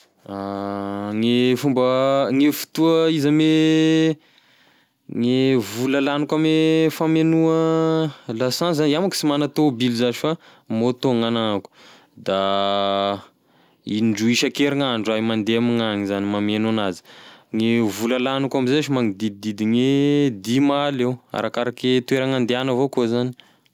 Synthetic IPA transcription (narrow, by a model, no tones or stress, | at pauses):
a | ŋefumbəŋefi̥t̪uəizame | ŋevuləlanukamefamenuə | lasãnzaniamaksimanat̪obilizazifa | mot̪oŋanaŋaku̥ | d̪a | iɳɖ͡ʐuiʃəkeɾaŋaɳɖ͡ʐaimand̪eamiŋaŋizanimamenuanazi̥ŋevuləlanukamizeʃimaŋid̪id̪id̪id̪iŋed̪imalewa̰ɾakaɾaket̪weɾaŋand̪eanəvokozani̥